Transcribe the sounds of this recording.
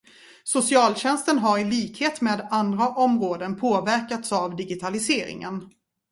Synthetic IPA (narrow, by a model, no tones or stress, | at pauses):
sʊsɪɑːlɕɛnst̪ənɦaɾɪliːkheːt̪meːd̪and̪ɾaʔɔmɾoːd̪ənpʰoːvæɾkat̪savd̪ɪɡɪt̪ʰalɪseːɾɪ̰ŋə̰n